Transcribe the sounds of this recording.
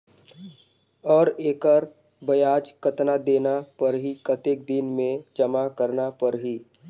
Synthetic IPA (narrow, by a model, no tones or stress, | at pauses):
ɔːɾeːkəɾ | bɐjaːd͡ʒkət̪nad̪eːnapəɾɦikət̪eːk̚d̪ɪnmẽd͡ʒəmakəɾnapəɾɦiː